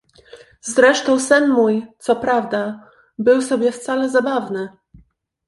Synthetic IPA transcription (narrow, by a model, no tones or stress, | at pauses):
zɾɛʂt̪ɔ̃w̃sɘnmujt̪sɔpɾavd̪a | bɘwsɔbʲjɛft̪salɛzabavnɘ